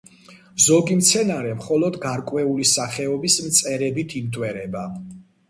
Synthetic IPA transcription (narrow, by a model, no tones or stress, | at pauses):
zɔɡimt̪sʰɛnaɾɛmχɔlɔd̪ɡaɾkʼwɛulisaχɛɔbismt̪sʼɛɾɛbit̪ʰimt̪ʼwɛɾɛba